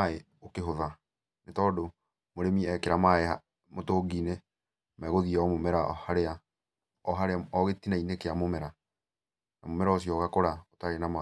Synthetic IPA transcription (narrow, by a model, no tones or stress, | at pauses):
ae | okeɦoða | netɔːdo | moɾemiɛkeɾamaeha | motoɡine | mɛɣoðiɛɔmomɛɾahaɾea | ɔɦaɾeaɔɣetinainekeamomɛɾa | namomɛɾaɔsiɔɣakoɾaotaɾenama